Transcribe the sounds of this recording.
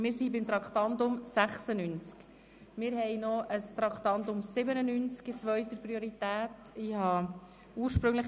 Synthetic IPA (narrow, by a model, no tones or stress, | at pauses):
mɪːɾsibɪmt̪ɾɑkχt̪ɑntʊmsæχsənynt͡sk | mɪːɾɦɛjnɔʔəst̪ɾɑkt̪ɑnd̪ʊmsɪbənənynt͡skɪt͡sʋœɥt̪əprioɾit̪æːtɪhɑ | uːəɾʃpɾʏŋləχ